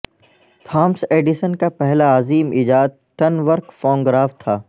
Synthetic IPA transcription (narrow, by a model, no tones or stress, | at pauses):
t̪ʰaːmseːɖɪsənkapɛɦlaːziːmiːd͡ʒaːd̪̚ʈɐnʋəɾkfɔ̃ːŋɡɾaːft̪ʰaː